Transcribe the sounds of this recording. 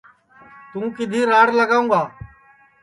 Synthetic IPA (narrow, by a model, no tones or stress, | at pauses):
t̪ũːkɪd̪ʱiːɾaːɽləɡaːũːɡaː